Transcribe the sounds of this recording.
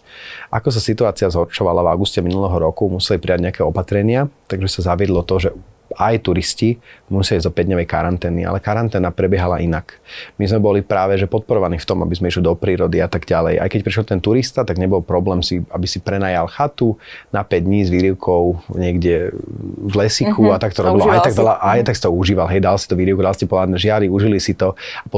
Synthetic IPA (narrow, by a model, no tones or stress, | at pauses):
ʔakɔs̬asit̪uaːt͡siɪazɦɔɾt͡ʃɔʋalava̰ʊɡuscɛminulɛɦɔɾɔkumusɛlipɾiaɟɲɛakɛːɔpat̪ɾɛɲɪat̪aɡʒɛsazaʋɪɛd̪lɔt̪ɔʒɛajt̪uɾiscimusjɛlizd̪ɔpɛɟ̪ɲɔʋɛjka̰ɾant̪ɛːnḭa̰lɛkaɾant̪ɛːnapɾɛbjɛɦala̰ʔinakmizmɛbɔlipɾaːʋɛʒɛpɔt̪̚pɔɾɔʋaniːft̪ɔma̰bizmɛiʃlid̪ɔpɾiːɾɔd̪iat̪aɡɟalɛ̰jʔa̰jkɛc̚pɾiʃlt̪ɛnt̪uɾist̪at̪aɡɲɛbɔlpɾɔblɛːmsiabisipɾɛnaːjalxat̪unapɛɟdɲiːzʋiːɾiʊkʰɔʊɲɪɛɡɟɛ | vlɛsikʰuat̪akt̪ɔɾɔbilɔajt̪aɡʋɛlaʔajt̪aksi̥t̪ɔuʒiːʋalɦɛjd̪alsi̥t̪uʋiːɾiʊkud̪alscɛpɔlaːd̪nɛʒɪaɾiuʒilisit̪ɔapɔ